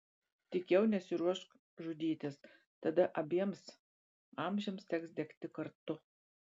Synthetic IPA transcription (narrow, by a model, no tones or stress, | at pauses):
t̪ʲɪkʲɛʊnʲɛsʲɪɾuɔʃk | ʒʊd̪ʲiːt̪ʲɪs | t̪ɐd̪ɐʔɐbʲiɛms | ɑːmʲʒʲɛmst̪ʲɛksd̪ʲɛkt̪ʲɪkɐɾt̪ʊ